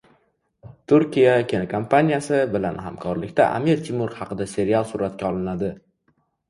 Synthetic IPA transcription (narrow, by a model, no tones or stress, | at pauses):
t̪ʰʊɾkʲijakʲʰenkʰampʰanijasɪbɪlanha̰mkʰɒɾlɪkʲt̪ʰa̰ʔa̰miɾt̪ʲʰimʊɾhɑqʰɨd̪ase̞ɾialˠsʊɾat̪kʲaɒlˠɪnad̪ɪ